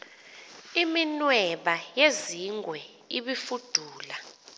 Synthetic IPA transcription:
iminwɛɓajeziŋwɛ | iɓifud̥ʱuːla

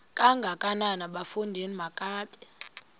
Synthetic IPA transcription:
kʼaŋɡʱakʼananaɓafundʱenimakʼaːtʼɛ̥

